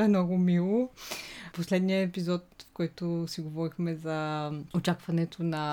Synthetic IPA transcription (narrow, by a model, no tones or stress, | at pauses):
ɛmnɔɡʊmilˠo | poslɛd̪nijəɛpizɔt̪fkɔjt̪osiɡovɔɾixmɛzɐot͡ʃakvɐnɛt̪ʰonɐ